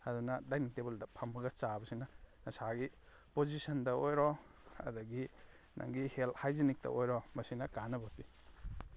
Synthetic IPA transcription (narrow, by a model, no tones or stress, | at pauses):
ɐdunɐdajnik̚tebɐldɐpʰɐmbɐɡɐt͡ʃabɐsinɐnɐsaɡi | pozisɐndɐojɾɔ | ɐ̰dɐɡi | nʔa̰ŋɡihelthajzinik̚tɐ̰ʔojɾɔmɐsinɐkanɐbɐti